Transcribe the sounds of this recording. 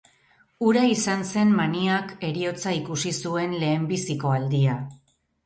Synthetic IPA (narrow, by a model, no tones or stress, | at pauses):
uɾaisanse̞mmaniake̞ɾio̞t͡saikusisue̞nle̞ːmbisiko̞ald̪ia